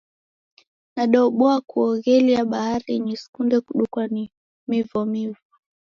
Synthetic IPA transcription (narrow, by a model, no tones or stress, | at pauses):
naɗɔɓɔakuɔɣɛliaɓahaɾiɲiskundɛkuɗukwani | mivɔmivɔ